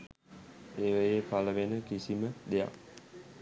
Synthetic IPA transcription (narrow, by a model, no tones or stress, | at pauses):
eʋəjepaləʋenəkisiməd̪ea̰